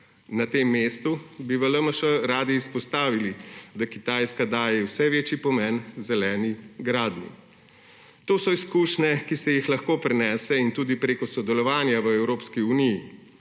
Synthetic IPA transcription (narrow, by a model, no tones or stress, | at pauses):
nat̪emːeːst̪ubiʋələməʃəɾaːd̪iːspɔst̪aːʋilid̪akit̪aːjskad̪aːjɛwsɛʋeːt͡ʃipɔmɛnzɛlɛːniɡɾaːd̪nḭ | t̪oːsɔiskuːʃnɛkisɛjixlɐxkoːpɾɛnɛːsɛint̪uːd̪ipɾeːkɔsɔd̪ɛlɔʋaːnjaʋəɛwɾoːpskiuniji